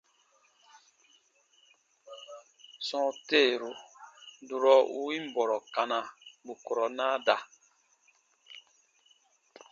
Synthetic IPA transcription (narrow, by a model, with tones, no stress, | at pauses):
sɔ̃˦teː˦˨ɾu˦du˨ɾɔ˦ʔu˦ĩ˦m˦bɔ˨ɾɔ˨ka˨nã˨bu˨kɔ˨ɾɔ˨na˦da˨